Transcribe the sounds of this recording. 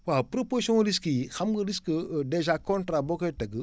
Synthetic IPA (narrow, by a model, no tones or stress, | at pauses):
wapɾoposõɾiskəjixamɡəɾiskədeʒakõntɾabokotɐɡə